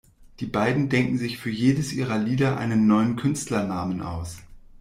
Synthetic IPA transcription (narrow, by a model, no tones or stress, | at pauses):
d̥iːbaɪdn̩dɛŋkŋ̩zɪçfyːɐjeːdəsʔiːʁɐliːdɐʔa̰ɪnənːɔʏənkʰʏnstlɐnaːmənʔa̰ʊs